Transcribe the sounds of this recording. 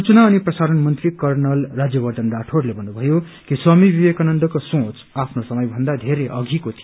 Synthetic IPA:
ut͡sʌnaʌniprʌsaɾʌnmʌnt̪rikʌrnʌlːad͡zjʌbʌrd̪ʌnɖaʈʰorlebʱʌnːubʱʌjo | kiswamibibekanʌnd̪ʌkosõt͡s | apʰnosʌmʌjbʱʌnd̪ad̪ʱeɾeʔʌɡʱikot̪ʰij

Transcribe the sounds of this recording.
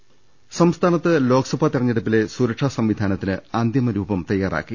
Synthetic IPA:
sɐmst̪ʰaːnɐt̪ːɨlo̞ːkɐsɐbʱɐt̪irɐɲːeɽup̬ːile̞suːɾɐʂaːsɐmʋid̪ʱaːnɐt̪ːinɨaːnd̪jɐmɐɾuːbɐmt̪ɐjːaːrʔa̰ːkːi

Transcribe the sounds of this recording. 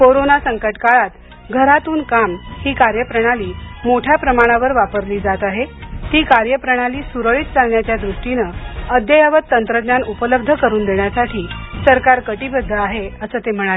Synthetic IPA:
koɾonasəŋkəʈkaɭat̪ | ɡʱəɾat̪uːnkamhiːkaɾjəpɾəɽ̃aliːmoʈʰjapɾəmaɽ̃aʋəɾʋapəɾliːd͡zat̪aɦet̪iːkaɾjəpɾəɽ̃aliːsuɾəɭiːt̪̚t͡salɳjat͡ɕjad̪ɾuʂʈinəəd̪ʱjəjaʋət̪ːənt̪ɾəd̪njanupələb̚d̪ʱəkəɾuːnd̪eɳjasaʈʰiːsəɾkaɾkəʈiːbəd̪ʱːəaɦeəsəːt̪em̤əɽ̃ae

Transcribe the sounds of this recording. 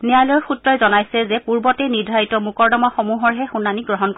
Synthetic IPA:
nɛjalɔjɔxutɹɔjzɔnajsɛzɛpuɹbɔtɛjniɹdʱaitɔmukɔɹdɔmaxɔmuɦɔɹɦɛxunːaniɡɹɔɦɔnkɔ

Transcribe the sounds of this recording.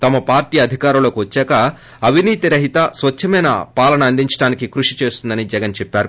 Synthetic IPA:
t̪ɐmɐpaːɾʈiːɐd̪ʱikaːɾuloːkuʋɐt͡ʃːɛːkɐ | ɐʋiniːt̪iɾɐɦit̪ɐsʋɐt͡ʃʰːɐmɐjnɐ̰paːlɐnɐːnd̪iɲt͡ʃɐ̥ʈaːnikikɾuʂi̥t͡ʃe̞ːst̪und̪ɐnid͡ʒɛɡɐnt͡ʃɛpːaːɾu

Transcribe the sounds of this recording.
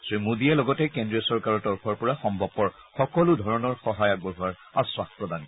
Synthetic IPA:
simudiɛlɔɡɔtɛkendɹijɔsɔɹkaɹɔɹtɔɹpʰɔɹpɔɹaxɔmbʱɔb̚pːɔɹ | xɔkɔludʱɔɹɔnɔɹxɔɦajak̚bɔɦuaɹ | auswaspɹɔdan

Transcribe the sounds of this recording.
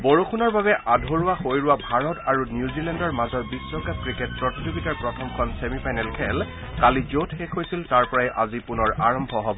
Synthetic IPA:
boɹuxunɔɹbabɛʔʔadʱoɹʊwaxojɹʊwabʱaɹɔtaɹunjuzilɛndɔɹmazɔt̚bisɹɔkakɹikɛt̚pɹɔtizubitaɹpɹɔtʰɔmkʰɔnsemipʰajnɛlkʰɛl | kalizotxekʰɦojsiltaɹpɔɹajʔazipunɔɹaɹɔmbʱɔɦɔbɔ

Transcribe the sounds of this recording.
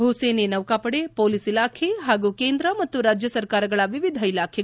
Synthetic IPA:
bʱuseːnenɐʋkaːpɐɽepoːlisilaːkʰe̞ɦaːɡuːkeːnd̪ɾɐmɐt̪ːuɾaːd͡ʒjɐsɐɾkaːɾɐɡɐɭɐʋiʋid̪ʱɐilaːkʰɛ

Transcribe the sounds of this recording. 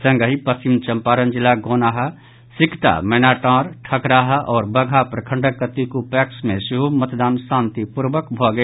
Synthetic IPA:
sə̃ŋɡəɦipəst͡ʃimt͡ʃəmpaːɾənd͡ʒilaɡonaɦə | sikt̪a̰mɛnaʈãːɾʈʰəkɾaɦʔɔːɾbəɡʱapɾəkʰəɳɖəkːət̪ikupɛksmẽsiɦomət̪d̪aːnsãːnt̪ipuɾbəkbʱɔɡə

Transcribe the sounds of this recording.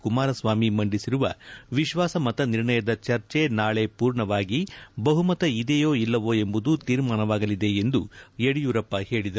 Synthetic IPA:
kumaːɾɐsʋaːmimɐɳɖisiɾuʋɐʋiʃʋaːsɐmɐt̪ɐniɾɳɐjɐd̪ɐt͡ʃɐɾt͡ʃe̞naːɭe̞puːɾɳɐʋaːɡibɐɦumɐt̪ɐid̪ejoːilːɐʋoːe̞mbud̪ut̪iːɾmaːnɐʋaːɡɐlid̪e̞end̪ujeɽijuːɾɐpːɐhe̞ːɭid̪ɐɾ

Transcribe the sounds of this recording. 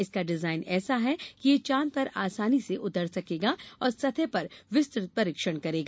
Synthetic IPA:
ɪskaɖɪzaːɪnɛːsaɦɛkijet͡ʃãːnpɐɾaːsaːniseʔʊt̪əɾsɐkeːɡaːɔːɾsɐt̪ʰɛpɐɾʋɪst̪ɾɪt̪̚pɐɾɪkʃəɽ̃kɐɾeːɡaː

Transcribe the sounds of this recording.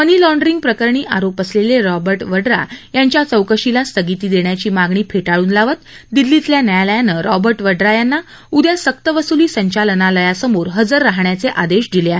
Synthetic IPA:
pənilɔ̃ɳɖɾiŋɡ̚pɾəkəɾɳiːʔaɾopəsleleɾɔbəɾʈʋəɖɾa̰jaɲt͡ɕjat͡səwkəɕilast̪əɡit̪iːd̪eɳjat͡ɕiːmaɡɳiːpʰeʈaɭuːnlaʋət̪ | d̪ilːit̪ljanəjaləjanːəɾɔbəɾʈʋəɖɾajanːa | ud̪ʱjasək̚t̪əʋəsuliːsəɲt͡ɕalənaləjasəmoɾɦəd͡zəɾːaɦɳjat͡seʔad̪eɕd̪ileaɦe

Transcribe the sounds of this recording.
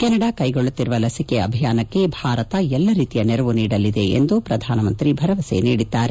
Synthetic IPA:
kɛnɐɽakɐjɡoɭːut̪ːiɾuʋɐlɐsikeɐbʱijaːnɐkːe̞bʱaːɾɐt̪ɐɛlːɐɾiːt̪ijɐneɾɐʋuniːɽɐlːid̪e̞ḛnd̪upɾɐd̪ʱaːnɐmɐnt̪ɾibʱɐɾɐʋɐsḛniːɽid̪ːaːɾe

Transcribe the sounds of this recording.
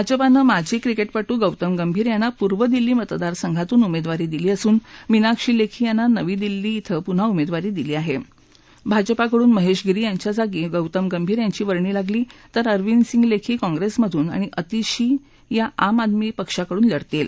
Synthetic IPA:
bʱad͡ʑəpanəmad͡ʑʱiːkɾikeʈpaʈuːɡəwt̪əmɡəmbʱiːɾjanːapuɾʋəd̪ilːiːmət̪d̪aɾsəŋɡʱat̪uːnumed̪ʋaɾiːd̪iliːəsuːnminakʂiːlekʰiːjanːanəʋiːd̪ilːiːt̪ʰəpun̤aumed̪ʋaɾiːd̪iliːaɦe | bʱad͡ʑpakəɽuːnməɦeɕɡɾiːjaɲt͡ɕjad͡zaɡiːɡəwt̪əmɡəmbʱiːɾjaɲt͡ɕiːʋəɾɳiːlaɡliːt̪əɾəɾʋinsiŋɡlekʰiːkɔ̃ŋɡɾesməd̪ʱuːna̰ɽ̃iʔət̪iɕiː | jaʔamad̪miːpəkʂakəɽuːnləɽt̪el

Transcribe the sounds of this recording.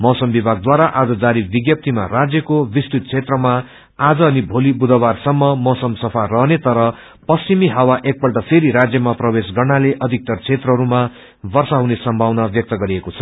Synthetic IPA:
mʌsʌmbibʱaɡ̚d̪waɾaʔad͡zʌd͡zaɾibiɡjʌp̚t̪ʰima̰rad͡zjʌkobist̪it̪̚t͡sʰet̪rʌma | ad͡zʌːnibʱolibud̪ʱʌbarsʌmːʌmʌsʌmsʌpʰarʌɦnet̪ʌɾʌ | pʌst͡ɕimiɦawaʔek̚pʌlʈʌpʰeɾiɾad͡zjʌmaprʌbesɡʌrnaleʔʌd̪ʱik̚t̪ʌrt͡sʰet̪rʌɦʌɾuma | bʌrsaɦunesʌmbʱawnabjʌk̚t̪ʌɡʌɾiekot͡sʰʌ

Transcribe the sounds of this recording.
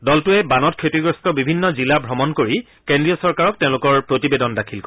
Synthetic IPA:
dɔltʊɛbanɔt̚kʰetiɡɹɔstɔbibʱinːɔzilabʱɹɔmɔnkoɹi | kendɹijɔsɔɹkaɹɔk̚tẽʊ̃lʊkɔɹpɹotibedɔndakʰilk

